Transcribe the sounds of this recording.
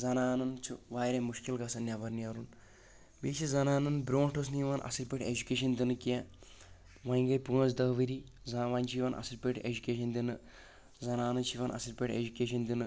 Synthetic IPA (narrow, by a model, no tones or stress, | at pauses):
zɐnaːnɐnt͡ʃʰuʋaːjɾʲɐmuʃkilɡɐsɐnʲːabɐɾniɐɾun | beːsizɐnaːnɨnbɾʲoːnʈɐs̬niʋaːnʔɐ̰siɾpʲeʈed͡ʒukʲeːʃ̬ɐnd̪ʲinɨkia | ʋɐĩŋɡɐjpuɐzd̪ɐɦʋiɾi | zɐʋanʲt͡ʃʰiʋanʔɐ̰siɾpʲeʈḛd͡ʒukʲeːʃɐnd̪ʲinɨ | zɐnaːnɨt͡ʃʰiʋɐnʔɐ̰siɾpʲeʈḛd͡ʒukʲeːʃ̬ɐnd̪ʲinɨ